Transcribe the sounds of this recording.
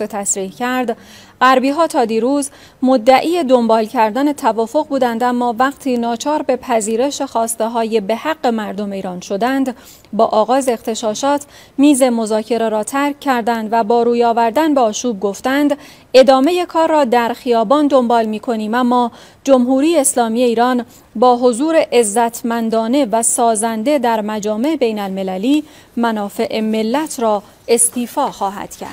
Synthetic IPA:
et̪ʰæsɾiːhcʰæɾd̪ | ɢæɾbiːɦɒːt̪ʰɒːd̪iːɾuːz | mod̪ːæʔiːje̞d̪o̞mbɒːlcʰæɾd̪æne̞t̪ʰævɒːfo̞ɣbuːd̪ænd̪æmːɒːvæɣt̪ʰiːnɒːt͡ʃʰɒːɾbe̞pʰæziːɾe̞ʃe̞xɒːst̪eɦɒːje̞be̞hæɢːe̞mæɾd̪o̞meiːɾɒːnʃo̞d̪ænd̪ | bɒːʔɒːɣɒːzeːxt̪e̞ʃɒːʃɒːt̪ʰ | miːze̞mo̞zɒːcʰe̞ɾeɾɒːt̪ʰæɾcʰːæɾd̪ænd̪væbɒːɾuːjɒːvæɾd̪ænbeɒːʃuːb̚ɡo̞ft̪ænd̪ | e̞d̪ɒːme̞je̞kʰɒːrːɒːd̪æɾxijɒːbɒːnd̪o̞mbɒːlmiːkʰo̞niːmæmːɒː | d͡ʒo̞mɦuːɾiːjeːslɒːmiːe̞iːɾɒːn | bɒːɦozuːɾe̞ʔezːæt̪ʰmænd̪ɒːne̞væsɒːzænd̪e̞d̪æɾmæd͡ʒɒːme̞ebe̞jnælme̞læliː | mænɒːfe̞ʔeme̞lːæt̪ʰɾɒː | e̞st̪ʰiːfɒːxɒːɦæ̰d̪̥cʰæ̰ɾd̪̥

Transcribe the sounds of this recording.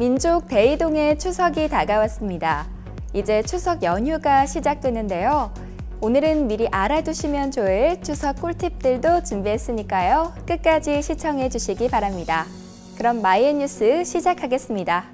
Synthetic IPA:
mind͡ʑok̚t͈e̞idoŋe̞t͡ɕʰusʰʌɡitaɡawas͈ɯmɲida | id͡ʑe̞t͡ɕʰusʰʌɡjʌɲɦuɡaɕʰid͡ʑak̚t͈wenːɯnde̞jo | onɯɾɯnmiɾiʔaɾad͡ʑuɕʰimjʌnt͡ɕoiɭt͡ɕʰusʰʌk͈̚uɭtʰip̚t͈ɯɭdot͡ɕɯmbies͈ɯɲik͈ajok͈ɯt̚k͈ad͡ʑiɕʰit͡ɕʰʌŋɦe̞d͡ʑuɕʰiɡipaɾamɲida | kɯɾʌmːaieɲːus͈ʰɯɕʰid͡ʑakʰaɡe̞s͈ɯmɲida

